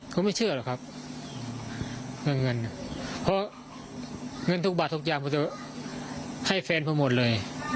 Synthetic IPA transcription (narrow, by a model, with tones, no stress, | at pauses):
kʰɔ˧˦ma˥˩jt͡ɕʰɯ˥˩ɐlɔː˨˩kʰa˦˧˥p̚ | ŋɤ˧˩nŋɤ˧npʰɔ˧˥ | ŋɤ˧˨nt̪ʰu˧˥k̚baː˨˩t̪ːʰu˧k̚jaː˧˩mkʰɔ˧˩t͡ɕa˧˩ | ha˥˩jfɛː˧npʰɔ˧˩˨mo˨˩t̪̚lɤː˧j